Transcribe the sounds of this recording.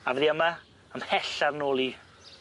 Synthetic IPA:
avɛðiəma | əmhɛɬarnoːlˠi

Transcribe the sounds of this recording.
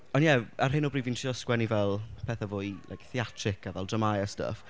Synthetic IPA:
ɔnjɛarɦɪnɔbriːvintʰiɔskwɛnivɛlˠpʰɛːθavʊːjla̰jkθiatʰrɪkʰavɛlˠdrəmajastə̰f

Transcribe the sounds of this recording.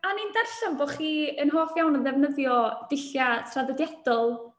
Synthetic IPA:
anindarɬamboχiːənɦoːfjawnənðɛvnəðjɔd̥ɪɬjatʰraðədjad̥ɔlˠ

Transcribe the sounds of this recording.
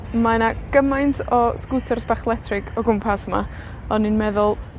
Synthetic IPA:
manaɡ̥əmajntʰɔskutʰɛrsb̥aχlˠɛtʰrɪɡɔɡʊmpʰasəma̰ | ɔninmɛðʊlˠ

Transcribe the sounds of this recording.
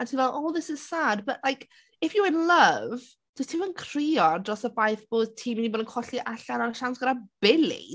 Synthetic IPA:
antʰinvɛlˠʔɔːðɪsɪz̥saːdbəʔlˠajk | ɪfjuɪnlˠəv | d̥əstʰimənkʰr̥iːɔdrɔsəvajθb̥oːd̚tʰiːminiboːdənkʰɔɬiʔaɬanaɾəʃansɡ̥əɾab̥ɪlḭ

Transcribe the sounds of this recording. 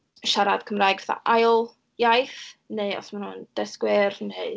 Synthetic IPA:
ʃaɾad̥kʰəmraːjɡaθa̰ʔajlˠ | jajθnejɔ̰smanhuːnd̥ɛskwɪrneɨ

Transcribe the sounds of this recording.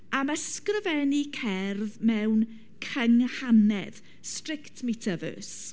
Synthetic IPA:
aməskrəvɛnikʰɛrðmɛwn | kʰəŋhanɛð̥ | strɪktʰmetʰavə̰ːs

